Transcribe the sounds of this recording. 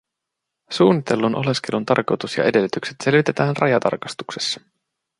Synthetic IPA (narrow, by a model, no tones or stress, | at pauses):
suːnːit̪e̞lːunʔo̞̰le̞ske̞lunt̪ɑ̰rko̞jt̪usjɑ̰ʔe̞de̞lːyt̪ykse̞t̪se̞lʋit̪et̪æːnrʔɑ̰jɑt̪ɑ̰rkɑst̪u̥kse̞̥sːɑ̥